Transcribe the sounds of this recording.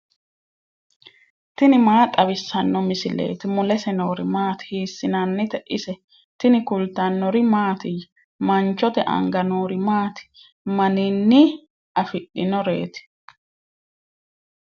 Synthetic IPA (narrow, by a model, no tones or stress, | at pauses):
t̪ɪnɪmaːt̪ʼɐβɪsːɐnːɔmɪsɪle̞̰ːt̪ɪmʊlɛsɛnoːɾɪmaːt̪ɪ̥hiːsːɪnɐnːɪt̪ɛʔɪsɛ | t̪ɪnɪkʊlt̪ɐnːɔɾɪmaːt̪ɪj | mɐnt͡ʃːɔt̪ɛʔɐ̰ŋɡɐnoːɾɪmaːt̪ɪ̥ | mɐnɪnːɪ | ʔɐfɪɗːɪnɔɾe̞̰ːt̪ɪ̥